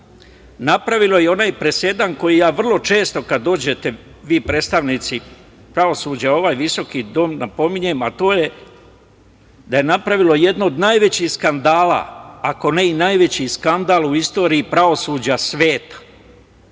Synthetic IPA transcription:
napɾaʋilˠo̞jeo̞naːjpɾe̞se̞d̪anko̞jijaːʋr̩lˠo̞t͡ʃe̞ːst̪o̞kad̪ːo̞ːd͡ʑe̞t̪e̞ | ʋiːpɾeːt̪st̪aʋniːt̪si | pɾao̞suːd͡ʑao̞ʋaːjʋiso̞kid̪o̞mnapo̞miɲe̞mat̪o̞ːje | d̪ajenapɾaʋilo̞je̞d̪noːd̪naːjʋe̞t͡ɕihskand̪aːla̰ːko̞ne̞inajʋe̞t͡ɕiskand̪aːlˠuist̪o̞ːɾiːpɾao̞suːd͡ʑasʋe̞ːt̪ḁ

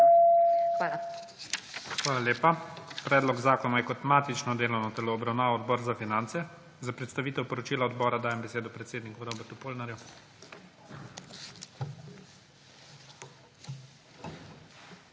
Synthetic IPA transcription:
a | xʋaːlaljeːpapɾɛːd̪lɔɡzaːkɔnajɛkɔt̪maːt̪it͡ʃnɔd̪eːlɔwnɔt̪ɛlɔːbɾawnaːʋɔɔd̪bɔːɾzafinant̪sɛ | zapɾɛt̪st̪aʋiːt̪ɛwpɔɾɔt͡ʃiːlaɔd̪bɔːɾad̪aːjɛmbɛseːd̪ɔpɾɛt̪seːd̪nikuɾɔbɛɾt̪upoːlnaɾju

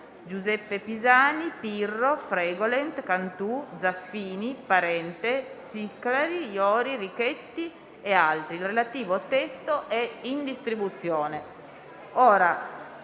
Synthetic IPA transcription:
d͡ʒuzɛpːepizaːnipirːofɾɛːɡolent̪kant̪ud̪zafːiːnipaɾɛnt̪esiklaɾijɔːɾirikɛt̪ːi | ealt̪ɾiːlrelat̪iːvoat̪ɛst̪oʔɛind̪ist̪ɾibut̪sːjoːne | ɔːɾa

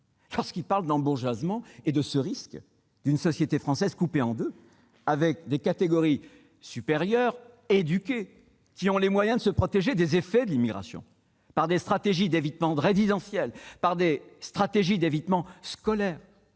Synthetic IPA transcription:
lɔʁskilpaʁld̪ɑ̃buʁʒwazmɑ̃ed̪əsəʁisk | d̪̥ynsɔsjet̪efχɑ̃sɛzkupeɑ̃d̪ø | avɛk̚d̪ekat̪eɡɔʁi | sypeʁjœʁ | ed̪ykʲe | kʲiɔ̃lemwajɛ̃d̪əsəpχɔt̪eʒed̪ezefɛd̪əlimiɡʁa̰sjɔ̰̃ | paʁd̪est̪χat̪eʒid̪evit̪mɑ̃ʁezid̪ɑ̃sjɛlpaʁd̪est̪χat̪eʒid̪evit̪mɑ̃skɔlɛːʁ

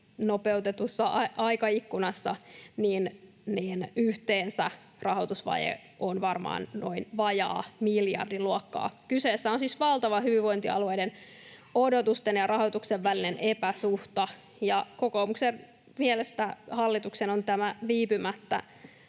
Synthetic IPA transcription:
nopeut̪et̪usːɑʔɑʔɑikɑikːunɑsːɑniːn | niːnyht̪eːnsæ̰ | rɑɦot̪usʋɑ̰jḛ | ʔonʋɑrmɑ̰ːnno̞̰inʋɑjɑ̰ːmiljɑ̰rdiluokːɑ̰ːkyseːsːæonsisʋɑlˠt̪ɑʋɑhyʋiʋo̞int̪iɑ̰luejden | odot̪ust̪enjɑrɑhot̪ukseʋːælinenʔepæsuht̪ɑ | jɑkokoːmuksen | mielest̪æhɑlːit̪uksenont̪æmæʋiːpymæt̪ːæ̰

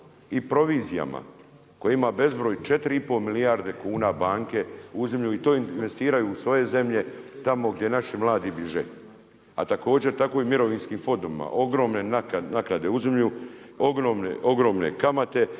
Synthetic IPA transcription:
ipɾo̞ʋiːzija̰ma̰ | ko̞jeimabe̞zbɾo̞ːjut͡ʃe̞t̪ɾiipo̞milijaɾd̪e̞kuːnabaːŋke̞uzemʎuit̪o̞ːinnʋe̞st̪iːɾajuːsʋo̞je̞ze̞mʎe̞t̪amo̞ɡd̪je̞naʃimlˠaːd̪ibiʒḛ | a̰t̪ako̞ːd͡ʑe̞ɾt̪ako̞ːimiɾo̞ʋiːnskiːmfo̞nd̪omḭma̰ʔo̞ɡɾo̞ːmne̞naknaknad̪e̞uzemʎu | oɡɾomneo̞ɡɾo̞ːmne̞̰kamat̪e̞

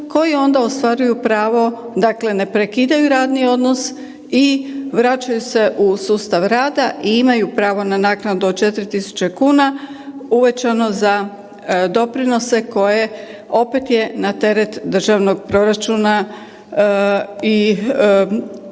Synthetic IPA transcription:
ko̞jio̞nd̪aost̪ʋaɾujupɾaːʋo̞ | d̪akle̞ne̞pɾe̞kid̪ajuɾaːd̪nio̞d̪no̞s | iʋɾat͡ʃajuse̞ʔusuːst̪aʋɾaːd̪aʔiimajupɾaːʋo̞nanaːknad̪uot͡ʃe̞t̪ɾit̪isu̥t͡ɕe̞kuːna | uʋe̞t͡ʃano̞za | d̪o̞pɾino̞se̞ko̞je̞ | o̞pet̪je̞nat̪e̞ɾe̞t̪d̪r̩ʒaʋno̞ɡ̚pɾo̞ɾat͡ʃuna | i

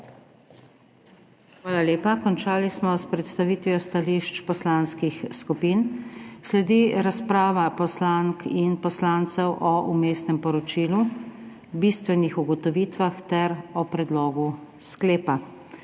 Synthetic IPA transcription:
xʋaːlaleːpakɔnt͡ʃaːlismɔspɾɛt̪st̪aʋiːt̪ʋijɔst̪aliʃt͡ʃpɔslaːnskixskupinslɛd̪iɾaspɾaːʋapɔslaŋkʰinpɔslaːnt̪sɛwʔɔʔumeːsnɛmpɔɾɔt͡ʃiːlu | bist̪ʋɛnixuɡɔt̪ɔʋiːt̪ʋaxt̪ɛɾɔpɾɛd̪lɔːɡu | skleːpa

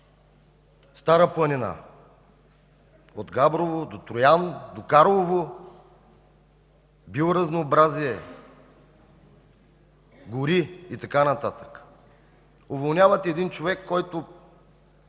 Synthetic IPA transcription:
st̪aɾəplˠɐnʲina̰ | od̪ɡabɾovod̪ot̪ɾʊjand̪okaɾlˠovo | bioɾɐznoːbɾaziɛ | ɡʊɾiit̪ɐkanɐt̪at̪ə̥k | ʊvolˠnʲjavɐt̪ɛːd̪int͡ʃovɛkːɔjt̪ʊ

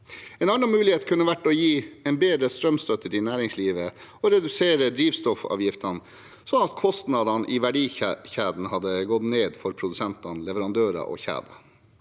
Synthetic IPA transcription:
ɛːnɑnːɑmʉːlɪheːt̪kʰʉnːəʋæʈːɔjiːɛɪnbeːd̪ɾəst̪ɾœmst̪œt̪ːəɾɪnæːɾɪŋsliːʋəɔɾɛd̪ʉseːɾəd̪ɾiːʋst̪ɔfɑ̰ːʋjɪft̪ʰɑn | sɔnɑt̪kʰɔst̪nɑd̪ɑnʔiʋæɖiːçæːd̪n̩hɑd̪ːəɡɔd̪neːd̪fɔɾpʰɾʊd̪ʉsɛnt̪ɑnlɛʋəɾɑnd̪øːɾɑ̰ʔɔ̰çæ̰ːd̪ɑ

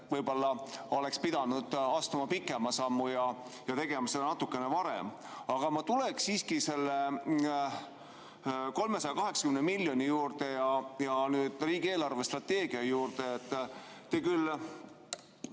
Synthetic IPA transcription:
vɤjbo̞lːɑo̞le̞kspid̪̥ɑnud̪̥ɑst̪umɑpikːˑe̞mɑsɑmːujɑjɑt̪e̞ɡ̥e̞mɑsed̪ɑnɑt̪ːˑukːˑe̞ne̞vɑɾḛm | ɑɡ̥ɑmɑt̪ule̞ksiːskise̞lːe | ko̞lme̞sɑjɑkɑɦe̞ksɑkymnemilʲjo̞nijuːɾt̪e̞jɑjɑnyːd̪̥riːɡ̥ie̞ːlɑrve̞st̪rɑt̪ːe̞ːɡ̥iɑjuːɾt̪e̞et̪ˑː | eːkylː

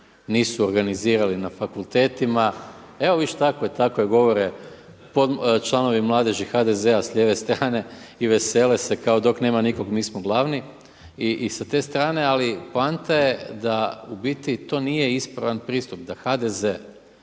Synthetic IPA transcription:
niːsuoɾɡaniziːɾalinafakulˠt̪e̞ːt̪ima | e̞o̞ʋiʃet̪akoet̪akoeɡo̞ʋo̞ɾe | po̞d̪t͡ʃlˠano̞ʋimlˠaːd̪eʒixad̪e̞ze̞aslʎʲeːʋe̞st̪ɾaːne̞iʋe̞se̞ːle̞se̞kaod̪o̞kne̞ːmaniko̞ɡmiːsmoɡlˠaːʋni | iʔsat̪e̞st̪ɾaːne̞alipoant̪aje̞d̪aubit̪it̪o̞ːniːje̞ispɾaʋanpɾiːst̪up̚d̪axad̪e̞ze̞

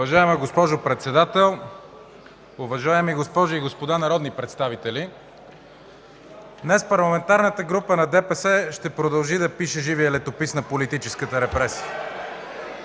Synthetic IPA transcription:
vɐʒaɛmɛɡospɔʒopɾɛt̪sɛd̪at̪ɛlˠ | ʊvɐʒaɛmiɡospɔʒʊiɡospod̪anɐɾɔd̪nipɾɛt̪st̪avit̪ɛli | d̪nɛspɐɾlˠɐmɛnt̪aɾnət̪əɡɾupənɐd̪ɛpɛsɛʃt̪ɛpɾod̪ɐlˠʒid̪ɐpiʃɛʒivijəlɛt̪opisnɐpolit̪it͡ʃɛskət̪əɾɛpɾɛsi̥ə

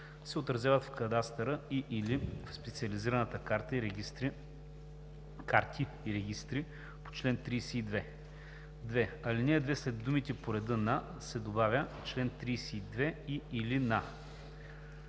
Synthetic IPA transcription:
sɛot̪ɾɐzʲjavət̪fkɐd̪ast̪ɛɾəiʔilifspɛt̪siɐliziɾɐnət̪əkaɾt̪əiɾit̪ɾ | kaɾt̪ʰiːɾɛɡʲist̪ɾi | po̥t͡ʃlɛnt̪ɾijsɛid̪vɛ | d̪vɛɐlinɛːd̪vɛslɛd̪ːumit̪ɛpoɾɛd̪ɤna | sɛd̪obavʲət͡ʃlɛnt̪ɾijsɛid̪vɛiilina

